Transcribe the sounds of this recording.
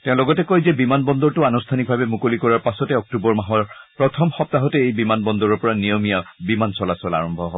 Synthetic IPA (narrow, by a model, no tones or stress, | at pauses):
tɛʊ̃lɔɡɔtɛkɔjzɛbimanbɔnd̪ɔɹtʊanustʰanik̚bʱabɛmukolikɔɹaɹpasɔtɛɔk̚tubɔɹmaɦɔɹpɹɔt̪ʰɔmxɔp̚taɦɔtɛejbimanbɔnd̪ɔɹɔɹpɔɹanijɔmijabimansɔlasɔla̰ɹɔmbʱɔɦɔbɔ